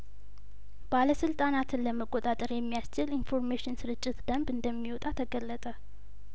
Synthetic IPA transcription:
b̥aləsɨlt̪ʼanat̪ʰɨnləməkʼot̪ʼat̪ʼəɾjɛmːijast͡ʃɪlinfo̞ɾmeʃɪnsɨɾɨt͡ʃʼːɪt̪d̪əmbɨnd̪əmːiwot̪ʼat̪ʰəɡəlːət̪ʼə

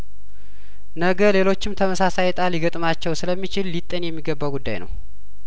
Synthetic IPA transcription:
nəɡəle̞lo̞t͡ʃːɪmt̪ʰəməsasajt̪ʼaliɡət̪ʼmat͡ʃːɛwsɨləmːit͡ʃɪlːit̪ʼːənjɛmːiɡəbːaɡud̪ːa̰jnə̰w

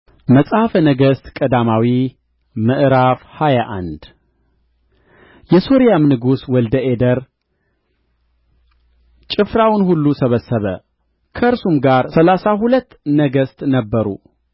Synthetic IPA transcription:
məsʼhafənəɡəst̪kʼəd̪amawi | məʔɨɾafhajaʔa̰nd̪̥ | jɛso̞ɾijamnɨɡuswɔld̪əʔed̪əɾ | t͡ʃʼɪfɾawnhulːusəβəsːəβə̰ | kʰəɨɾsumɡaɾsəlasahulət̪ːnəɡəst̪nəbːəɾṵ

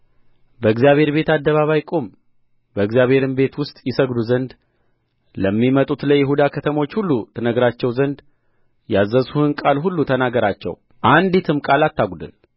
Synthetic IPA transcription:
bəɨɡzijaβhe̞ɾbe̞t̪ad̪ːəβaβajkʼo̞m | bəɨɡzjaβhe̞ɾɨmbe̞t̪wʊst̪ʼjɪsəɡd̪uzənd̪ | ləmːimət̪ʼut̪ləjɪɦud̪akʰət̪ʰəmo̞t͡ʃːhulːut̪ʰənəɡɾat͡ʃːɛwzənd̪ | jazːəsuhɨnkʼalɦulːut̪ʰənaɡəɾat͡ʃːɛ̰w | ʔand̪it̪ʰɨmkʼalat̪ːaɡʷud̪ɨ̰l

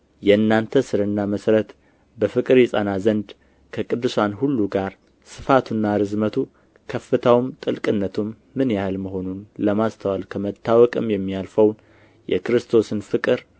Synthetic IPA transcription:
jɛɨnːant̪ʰəsɨɾɨnːaməsɾət̪ | bəfɨkʼɨɾisʼa̰nazənd̪ | kʰəkʼɨd̪ːɨsanhulːuɡaɾ | sɨ̥fat̪ʰunːaɾɨzmət̪ʰu | kʰəfːɨt̪ʰawmt̪ʼɨlkʼɨnːət̪ʰumːɨnjahlməɦo̞nunləmast̪ʰəwalkʰəmət̪ʰːawɔkʼɨmjɛmːialfəwn | jɛ̰kɾɨst̪ʰo̞sɨnfɨkʼɨɾ

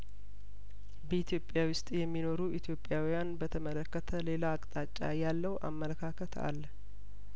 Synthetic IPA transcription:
bəit̪ʰjo̞pʼjawʊst̪ʼjɛmːino̞ɾuʔit̪ʰjo̞pʼːjawijanbət̪ʰəmələkːət̪ʰəle̞laːkʼt̪ʼat͡ʃʼːa̰jalːəwʔa̰mːələkʰakʰət̪ʰa̰lː

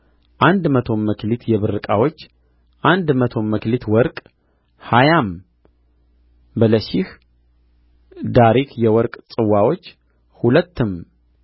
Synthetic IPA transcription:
ʔand̪mət̪ʰo̞mːəkʰlit̪ʰjɛβɨɾːɨkʼawot͡ʃː | ʔand̪mət̪ʰo̞mːəklit̪ʰwɔɾkʼ | hajam | bələʃih | d̪aɾikʰjɛwɔɾkʼsʼɨwːawo̞t͡ʃː | hulət̪ːɨm

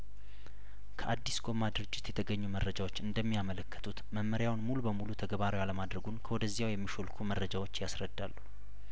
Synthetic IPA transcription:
kʰəʔad̪ːisɡo̞mːad̪ɨɾɨd͡ʒːɪt̪jɛt̪ʰəɡəɲːumərːəd͡ʒawo̞t͡ʃːɨnd̪əmːijamələkːə̥t̪ʰut̪məmːəɾjawnmulubəmulut̪ʰəɡəβaɾewaləmad̪ɾəɡunkʰəwɔd̪əzːijawjɛmːiʃolkʰumərːəd͡ʒawot͡ʃːjasɾəd̪ːalːu

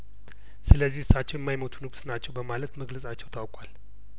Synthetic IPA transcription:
sɨləzːihɨsːat͡ʃːɛwjɛmːajmot̪ʰunɨɡusnat͡ʃːɛwbəmalət̪məɡləsʼat͡ʃːɛwt̪ʰawkʼwal

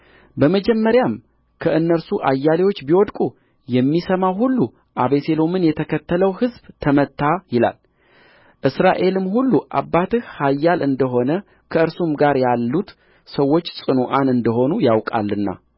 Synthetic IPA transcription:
bəməd͡ʒɛmːəɾjam | kʰəɨnːəɾsuʔajːalewo̞t͡ʃːbiwɔd̪kʼu | jɛmːisəmawhulːu | ʔaβe̞se̞lo̞mɨnjɛt̪ʰəkʰət̪ːələwhɨzbt̪ʰəmət̪ːajɪla̰l | ʔɨsɾaʔe̞lɨmhulːuʔa̰bːat̪ɨhhajːalʔɨnd̪əɦo̞nə | kʰəɨɾsumɡaɾjalːut̪ | səwːo̞t͡ʃːsʼɨnuʔanɨnd̪əɦo̞nujawkʼa̰lːɨnːa̰

